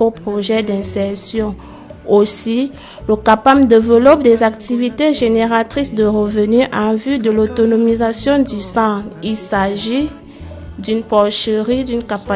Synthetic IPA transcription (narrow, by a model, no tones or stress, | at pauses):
opχoʒɛd̪ɛ̃sɛʁsjɔ̃ | osi | ləkapamd̪evəlɔp̚d̪ɛzak̚t̪ivit̪eʒeneʁat̪χisd̪əʁəvənyʔɑ̃vyd̪əlot̪onomizasjɔ̃d̪ysɑ̃ilsaʒi | d̪ynpɔʁʃəʁid̪ynkapa